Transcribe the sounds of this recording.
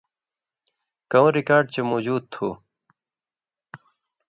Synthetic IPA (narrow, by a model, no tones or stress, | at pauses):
kɐwɾikaːɾɖ̚t͡ɕemoːd͡ʑuːd̪̚t̪ʰuː